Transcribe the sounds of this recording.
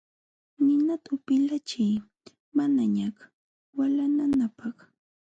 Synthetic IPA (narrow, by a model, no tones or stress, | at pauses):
nɪnat̪aʊpɪlat͡ʃɪj | manaɲak | walananapɑχ